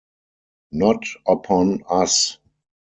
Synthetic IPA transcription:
nɔtʔəpʰɔ̃nas

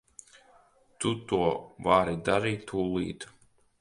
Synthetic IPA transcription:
t̪ut̪uɔvaɾid̪aɾiːt̪ːuːlˠḭːt̪

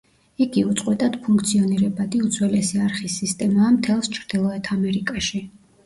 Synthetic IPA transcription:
iɡiut̪sʼqʼwɛt̪ʼad̪̥pʰuŋkʰt̪sʰiɔniɾɛbad̪iut̪sʰwɛlɛsiaɾχisːist̪ʼɛmaːmt̪ʰɛlˠst͡ʃʰɾd̪̥ilˠɔɛt̪ʰamɛɾikʼaʃi

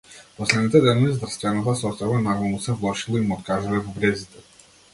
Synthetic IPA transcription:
pɔslɛd̪nit̪ɛd̪ɛnɔvizd̪ɾst̪vɛnat̪asɔst̪ajbanaɡlˠɔmusɛvlˠɔʃilˠɔimɔt̪kaʒilɛvɔbɾɛzit̪ɛ

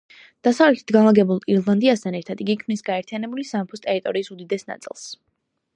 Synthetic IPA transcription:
d̪̥asavlɛt̪ʰi̥t̪̚ɡanlˠaɡɛbulˠiɾlˠand̪iast̪ʰanɛɾt̪ʰad̪iɡikʰmnisɡaɛɾt̪ʰijanɛbulisampʰust̪ʼɛɾit̪ʼɔɾiːsud̪id̪ɛsna̰t̪sʼḭlˠs

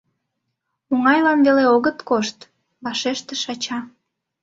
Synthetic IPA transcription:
uŋɑjlɑmveleoɣət̪koʃt̪ | βɑʃeʃt̪ĕʃɑt͡ɕɑ

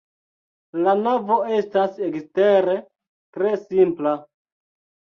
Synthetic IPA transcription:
lanavo̞e̞stase̞ksteɾe | tɾe̞simpla

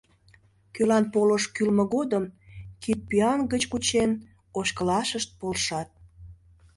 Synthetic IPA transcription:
kølɑnpoləʃkylməɣod̪əmkit̪̚piɑnɡət͡ɕkut͡ɕen | oɕkəlɑʃəʃt̪̚polʃɑt̪̚

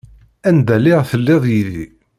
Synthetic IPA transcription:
ænd̪ælɪʁθəlːɪðˤjiðḭ

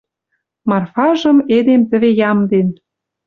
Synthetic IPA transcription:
mɑrfɑʒɤ̆med̪emt̪ə̆βejɑmd̪en

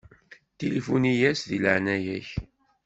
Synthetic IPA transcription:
t̪ilifunijæsðiləʕnæjæç

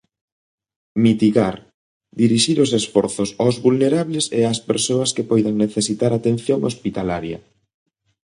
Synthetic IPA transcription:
mit̪iɣaɾ | d̪iɾiʃiɾosesfɔɾθosawzβulneɾaβleseaspeɾsoɐskepɔjðaŋneθesit̪aɾat̪en̟θjoŋospit̪alaɾjɐ̰

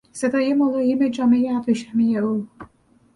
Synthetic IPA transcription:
sed̪ɒːjemolɒːjimed͡ʒɒːmejeæbɾiʃæmijeu

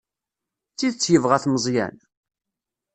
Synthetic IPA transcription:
t͡sːiðət͡sːjəvʁæθməzˤjæ̰n

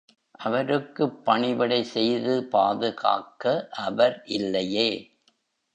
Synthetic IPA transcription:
ʔɐʋɐɾɯkːɯpːɐɳɪʋɪɽɐɪsɛjðɯpaːðɯɣa̰ːkɐʔɐʋɐɾʔɪlːɐjeː

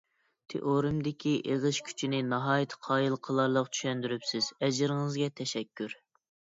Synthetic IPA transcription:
t̪ʰḛʔoɾɨmd̪ɪkʲʰiʔeʁəʃkʲʰy̥t͡ʃʰinɪnɑɦɑːjt̪ʰə̥qʰɑːjɨlˠqʰəlˠɑɾlˠəqt͡ʃʰy̥ʃɛnd̪yɾypsɪz̥ɛd͡ʒɪɾɪŋɨzɡʲɛt̪ʰɛʃɛkʲʰːyɾ

